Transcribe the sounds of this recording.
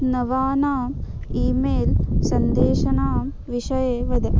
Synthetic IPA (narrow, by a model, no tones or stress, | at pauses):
nɐʋaːnaːiːmeːlsɐnd̪eːʂɐnaː | ʋiʂɐjeʋɐd̪ɐ